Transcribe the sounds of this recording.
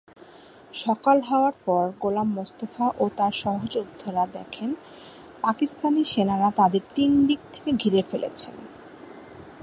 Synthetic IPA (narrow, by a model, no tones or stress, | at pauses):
ʃɔkalɦaoaɾpɔɾɡolamːost̪ofaʔot̪aɾʃɔɦod͡ʑud̪ʱːoɾad̪ɛkʰen | pakist̪aniʃenaɾat̪ad̪eɾt̪ind̪ik̚t̪ʰe̥keɡʱiɾefelḛt͡ɕʰen